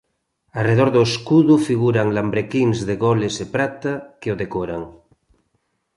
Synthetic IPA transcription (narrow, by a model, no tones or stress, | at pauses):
areðoɾðoeskuðufiɣuɾaŋlambɾekinzðeɣolesepɾat̪akeoðekoɾaŋ